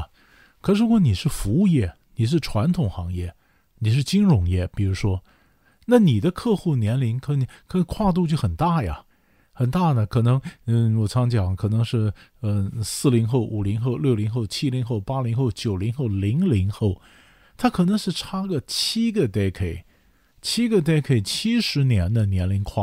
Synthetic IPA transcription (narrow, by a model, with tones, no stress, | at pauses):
kʰɤ˨˩ʂɻ̩˧˥kwɔ˧˥ni˨˩ʂɻ̩˥˩fu˧˥u˥˧jɛ˥˩ | ni˨˩ʂ̬ɻ̩˥˩ʈ͡ʂʰwa˧˥nt̪ʰʊ˨˩ŋxɑ˧˥ŋjɛ˥˩ | ni˨˩ʂ̬ɻ̩˥˩t͡ɕi˥ŋɻʊ˧˥ŋjɛ˥˩pi˨˩ɻu˧˥ʂwɔ˥ | na˥˩ni˨˩d̪ə˦kʰɤ˥˧xu˥˩njɛ˧˥nli˧˥ŋkʰɤ˧˥n˨˩kʰkʰwa˥˧t̪̬u˥˧t͡ɕjo˥˩ʊxə˨˩nt̪a˥˩jɐ̰˩ | xə˨˩nt̪a˥˩nə˩kʰɤ˨˩nɤ˧˥ŋə˥˧wɔ˨˩t͡sʰɑ˧˥ŋt͡ɕjɑ˨˩˦ŋkʰɤ˨˩nɤ˧˥ŋʂɻ̩˥˩ə˥˧sɹ̩˥˩li˧˥ŋxo˥˩ʊʔu˨˩li˧˥ŋxo˥˧ʊljo˥˩ʊli˧˥ŋxo˥˩ʊt͡ɕʰi˥li˧˥ŋxo˥˩ʊpa˥li˧˥ŋxo˥˩ʊt͡ɕjo˨˩ʊli˧˥ŋxo˥˩ʊli˧˥ŋli˧˥ŋxo˥˩ʊ | t̪ʰa˥kʰɤ˨˩nɤ˧˥ŋʂɻ̩˥˩ʈ͡ʂʰa˥ɡə˨t͡ɕʰi˥ɡə˨t̪e˥ɪkʰe˨˩ɪ | t͡ɕʰi˥ɡə˧t̪̬e˥ɪkʰe˨˩ɪt͡ɕʰi˥ʂɻ̩˧˥njɛ˧˥nd̪ə˧njɛ˧˥nli˧˥ŋkʰwa̰˥˩